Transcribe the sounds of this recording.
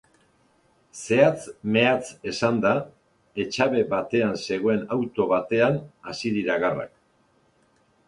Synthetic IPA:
se̞at͡sme̞at͡se̞sand̪a | e̞t͡ʃaβe̞βat̪e̞anse̞ɣ̞o̞e̞nawt̪o̞βat̪e̞anasiðiɾaɣara̰k̚

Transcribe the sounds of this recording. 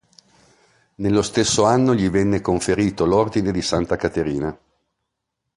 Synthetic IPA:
nelːost̪esːoanːoʎivɛnːekoɱfeɾiːt̪olord̪ined̪isant̪akat̪eɾiːna

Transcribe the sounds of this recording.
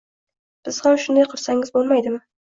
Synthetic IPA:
b̥ɪz̥hamʃʊnd̪ajqʰɨɾsaŋɪzbolˠmajd̪ɪmɪ

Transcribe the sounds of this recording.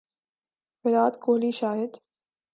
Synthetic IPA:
bɪɾaːd̪koːliːʃaːjɪd̪

